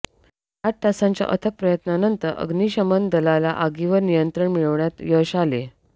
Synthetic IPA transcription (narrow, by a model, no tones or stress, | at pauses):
at̪̚t̪asãɲt͡ɕja̰ʔət̪ʰək̚pɾəjət̪nanənt̪əɾʔə̰ɡniːɕəmənd̪əlalaʔaɡiʋəɾnijənt̪ɾəɳmiɭəʋɳjat̪jəɕale